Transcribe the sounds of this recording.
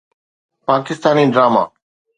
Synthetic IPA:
paːkɪst̪aːniːɖɾaːma̰ː

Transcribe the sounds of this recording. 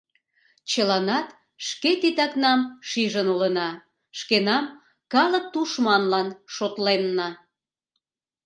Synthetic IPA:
t͡ɕəlɑnɑt̪ | ʃket̪it̪ɑknɑmʃiʒənulənɑ | ʃkenɑm | kɑlə̆k̚t̪uʃmɑnlɑnʃot̪lenːɑ

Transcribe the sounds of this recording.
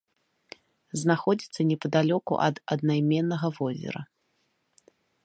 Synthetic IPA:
znaxɔd͡zʲit̪sːɐnʲɛpɐd̪alʲɔkṵʔɐ̰d̪ɐd̪najmʲɛnːɐɣɐvɔzʲɛ̰ɾɐ̰

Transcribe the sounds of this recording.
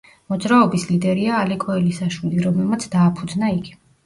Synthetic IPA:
mɔd̪zɾaɔbislid̪ɛɾiaːlɛkʼɔɛlisaʃwiliɾɔmlɛlˠmat̪sʰd̪aːpʰud̪znaiɡi

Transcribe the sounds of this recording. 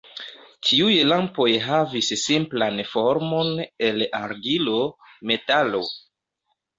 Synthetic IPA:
tʰiujlampo̞jɦavissimplanfo̞ɾmo̞ne̞laɾɡilo | me̞talo̞

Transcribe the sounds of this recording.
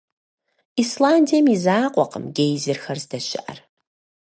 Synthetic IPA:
islaːndijɛmizaːqʷʼɔqə̰mɡʲejzɪrxɐrzdɐʃɪ̰ʔɐ̰r

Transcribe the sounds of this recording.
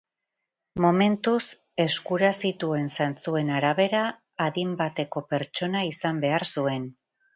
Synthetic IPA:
mo̞me̞nt̪us | e̞skuɾasit̪ue̞nsant͡sue̞naɾaβe̞ɾaː | ðimbat̪e̞ko̞pe̞ɾt͡ʃo̞naisambe̞aɾsue̞n

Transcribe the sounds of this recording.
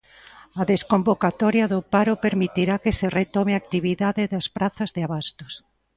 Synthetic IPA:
ɐðeskombokat̪ɔɾjɐðʊpaɾʊpeɾmit̪iɾakeseret̪ɔmeak̚t̪iβiðaðɪðɐspɾaθɐzðɪaβast̪ʊs

